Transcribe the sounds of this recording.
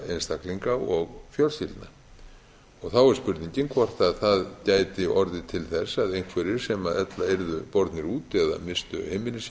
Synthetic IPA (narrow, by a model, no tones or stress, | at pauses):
ḛjnst̪akliŋkaɔɣfjœlsilt̪na̰ | ɔɣθawɛɾ̥spʏɾt̪niɲcɪnkʰvar̥t̪aðθaðcaːjt̪ɪʔɔɾðɪt̪ʰɪlθɛsaðejŋ̥kʰvɛːɾɪɾ̥sɛmaðɛt̪laeɾðʏpɔɾt̪nɪɾuːt̪ɛða̰mɪst̪ʏ̰hejmɪnɪs